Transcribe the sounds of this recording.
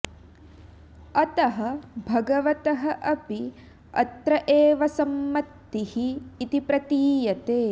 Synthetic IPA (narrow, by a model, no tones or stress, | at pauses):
ɐt̪ɐɦɐbʱɐɡɐʋɐt̪ɐɦɐʔɐpi | ɐ̰t̪ɾɐʔeːʋɐsɐmːɐt̪ːihiːt̪ipɾɐt̪iːjɐt̪eː